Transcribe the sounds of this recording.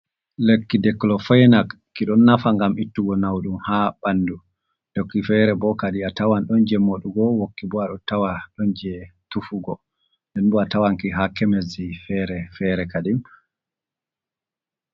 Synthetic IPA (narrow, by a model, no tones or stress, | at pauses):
lekːidɛkːlɔfɔjnakːiɗɔnːafaŋɡamitːuɡɔnawɗumhabanːdu | d̥okːifɛɾɛbɔkaɗiatawanɗɔnd͡ʒɛmoɗuɡɔwokːibɔaɗɔtawaɗɔnd͡ʒɛtufuɡɔ | ndɛnbɔatawankiɦakɛmezifɛɾɛfɛɾɛkadim